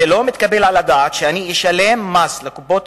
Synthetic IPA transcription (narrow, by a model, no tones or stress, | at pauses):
elo̞mit̪kabelʕalad̪aːt̪ʃeaniiʃalemːaslekubo̞t̪